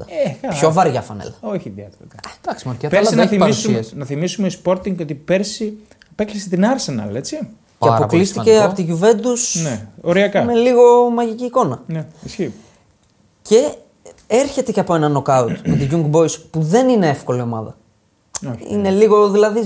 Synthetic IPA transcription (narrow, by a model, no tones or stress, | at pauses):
ɐepço̞vɐɾʝɐfɐ̰nḛlɐoçiðiɐt̪t̪d̪̥ɐksimoɾkɐpeɐθiɐissnɐθimisumeispo̞ɾt̪iŋɡot̪ipeɾsi | peklisit̪inɐɾsenɐ̰le̞t͡si | ceɐpo̞klist̪ice̞ɐpot̪iʝuve̞nd̪usneoɾiɐkɐmeliɣo̞mɐʝiciːko̞nɐneisçi | ce̞ | eɾçe̞t̪eceɐpo̞e̞nɐno̞kɐut̪met̪iʝuŋɡbo̞jspuðe̞nine̞efko̞lio̞mɐðɐ̰ | oḭne̞liɣo̞ðilɐði